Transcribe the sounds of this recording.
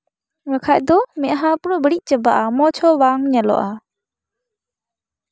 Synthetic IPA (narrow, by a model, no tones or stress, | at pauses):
ɾəkʰaʔ̚d̪ɔmɛɦapuɾɔbəɾic̚ˀt͡ʃəbaʔamɔt͡ʃʰɔbaŋɲalɔ̰ʔa